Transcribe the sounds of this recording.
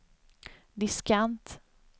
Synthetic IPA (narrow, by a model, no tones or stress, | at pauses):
d̪ɪskant̪